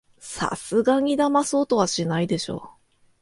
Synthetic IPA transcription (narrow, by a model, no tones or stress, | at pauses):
sa̰sɨɡaɲ̟id̪amaso̞ːt̪o̞β̞aɕinaid̪e̞ɕo̞̰ː